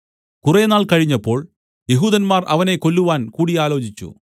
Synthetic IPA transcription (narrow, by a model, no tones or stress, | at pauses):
kurenaːɭkɐɻiɲːɐpːo̞ːɭ | jeɦuːd̪ɐnmaːrʔɐ̰ʋɐne̞ko̞lːuʋaːnkuːɽiaːlo̞ːt͡ɕit͡ɕːṵ